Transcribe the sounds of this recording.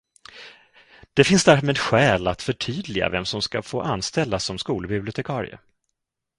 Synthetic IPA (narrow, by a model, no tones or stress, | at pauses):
d̪̥ɛfɪnsd̪æɾmeːd̪ɧɛːlat̪fœʈʰyːd̪lɪɡa̰vɛmsɔmskafoːʔanst̪ɛlːasːɔmskuːlbɪblɪʊt̪ʰɛkʰɑːɾɪ̰ə̰